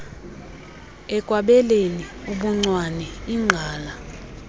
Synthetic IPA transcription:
ɛkʼwaɓɛleniuɓuŋ͡ǀwanɛiŋ͡ǀʱaːla

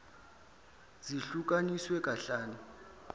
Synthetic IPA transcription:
ziɬuk̬aniswɛkaɬaːnɛ

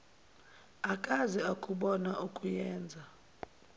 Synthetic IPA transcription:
akʼazɛakʼuɓɔnaʔukʼujɛːnd͡zʱa

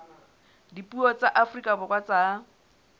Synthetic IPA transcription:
dipʼuɔt͡saʔafrikʼabʊkʼwat͡sa

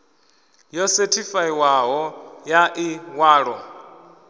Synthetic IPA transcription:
jɔsɛtʰifaiwaɦɔjaʔiwaːɺɔ

